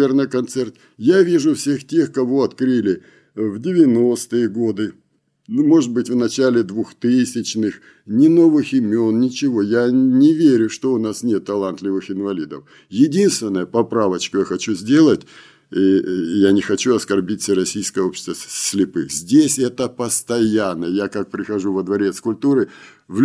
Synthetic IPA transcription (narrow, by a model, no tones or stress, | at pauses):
ernəkɐnt̪sɛrt̪ | javʲiʐʊfsʲe̞xtʲe̞xkɐvo̞ɐt̪kɾɨlʲɪ | vdʲɪvʲɪno̞st̪ɨjəɡo̞d̪ɨ | mo̞ʐɨd̪̚bɨtʲvnɐt͡ɕælʲɪd̪vuxt̪ɨsʲɪt͡ɕnɨx | nʲɪno̞vɨxɪmʲo̞nnʲɪt͡ɕɪvo̞janʲɪvʲeɾʲʊʂt̪o̞ʊnasnʲet̪ːɐlˠant̪lʲɪvɨxɪnvɐlʲid̪əf | jɪdʲinst̪vʲɪnːəjəpɐpɾavət͡ɕkʊjaxɐt͡ɕuzʲdʲe̞lˠətʲ | ijanʲɪxɐt͡ɕuɐskɐrbʲit̪ʲsʲərɐsʲijskəjəopɕɪ̥st̪əsʲlʲɪpɨxzʲdʲesʲɛt̪əpəst̪ɐjanːəjakak̚pɾʲɪxɐʐuvəd̪vɐɾʲe̞t̪skʊlʲpt̪uɾɨ | vʲ